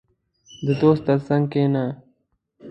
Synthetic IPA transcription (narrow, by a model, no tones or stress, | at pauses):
d̪əd̪oːst̪ːəɾsɐŋɡ̚keːna